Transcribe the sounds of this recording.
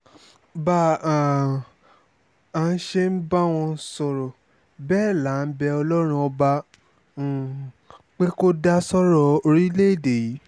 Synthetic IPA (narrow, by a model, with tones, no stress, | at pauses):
ba˦˨a˨ | a˨˧˦ʃe˦n̩˦ba˦w̃ɔ̃˧˦sɔ˧˨ɾɔ˨ | bɛː˦˨la˨˦˨n̩˦bɛ˧ɔ˧lɔ˦ɾ̃ũ˧ɔ˧ba˧˨ | k͡pe˦ko˦da˦sɔ˦ɾɔ˧o˧ɾi˦le˦˨de˨ji˨˦